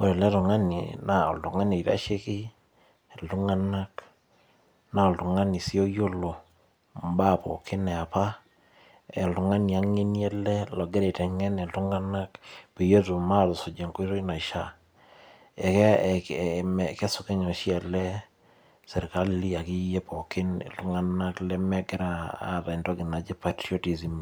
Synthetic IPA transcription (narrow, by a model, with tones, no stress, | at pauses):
o˦˨ɾe˨lɛ˦tɔ˨ŋa˦nḭ˨na˨ɔ̰˨ltʊ˨ŋa˦ni˨i˨ta̰˦ʃe˦kɪ˦ | ɛ˨ltu˦ŋa˦na˦k | na˨ɔ˨lto˨ŋa˦ni˨si˦o˦jo˦lo˨ | m˦ba˦˨pɔ̰˨kɪ˦nɛ˨a˨pa˦ | ɛ˨ltʊ˨ŋa˦ni˨a˦ŋe˦ni˦ɛ˦lɛ˦lɔ˨ɡɛ˦de˨tɛ˨ŋɛ˦nɛ˨ltu˦ŋa˦na˦kpe˨je˦tu˨ma˦tɔ˨so˨d͡ʒe˨ŋko˦i˦to˦i˦na˨ʃa˦ | ɛ˨k | mkɛ˦sʊ˨ke˦ɲɔ˨ʃjɛ˨lɛ˦ | sɛ˨ɾka˦lli˦a˨ki˦je˦po˨kɪ˦n̰˨ltʊ˦ŋa˦na˦klɛ˦mɛ˦ɡɛ˦ɾa˨a̰˦˨ta˨nto˦ɡɪ˨na˨d͡ʒi˦patɾio˦ti˨si˨m